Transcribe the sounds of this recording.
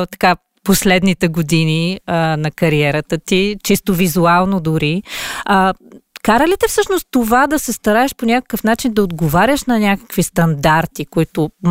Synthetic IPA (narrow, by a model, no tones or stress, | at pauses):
t̪ɐ̥ka | poslɛd̪nit̪ɛɡod̪iniənɐkɐɾiɛɾət̪ət̪it͡ʃist̪ovizualˠnod̪ʊɾiəkaɾəlit̪ɛfsɤʃnost̪t̪ːovad̪ɐsɛst̪ɐɾaɛʃponʲakə̥kəfnat͡ʃind̪ɐod̪ɡovaɾʲəʃnɐnʲakə̥kvist̪ɐnd̪aɾt̪ikoit̪ʊm